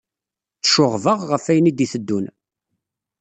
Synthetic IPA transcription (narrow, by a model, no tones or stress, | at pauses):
t͡sːə̥ʃʊʁvəʁːəfæjənid̪iθəd̪ːun